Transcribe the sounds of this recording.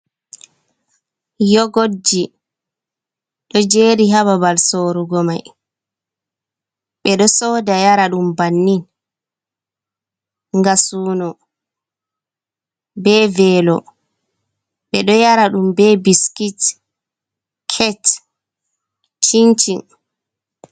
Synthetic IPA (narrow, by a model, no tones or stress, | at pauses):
jɔɡod͡ʒːi | ɗɔd͡ʒeːɾiɦaβabalsoːɾuɡɔma̰j | ɓɛɗɔsɔːdajaɾaɗumbanːin | ŋɡasuːnɔ | bɛvɛːlɔ | ɓɛɗɔjaɾaɗumbɛbiskit | kʰɛt | t͡ʃint͡ʃin